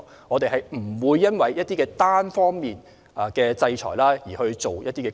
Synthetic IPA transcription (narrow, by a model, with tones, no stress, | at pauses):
ŋɔː˨˧t̪e˨jɦɐ˨jm̩˨˩wuː˨˧jːɐ˥nwɐ˨jːɐ˥t̚t̪iː˥kɛː˧t̪aː˥nfɔː˥ŋmiː˨n | a˨˩kɛː˧t͡sɐ˧jt͡ʃʰɔ̰ː˨˩jlaː˥jiː˨˩hɵ˧ɥt͡so˨wjɐ˥t̚t̪iː˥kɛ˧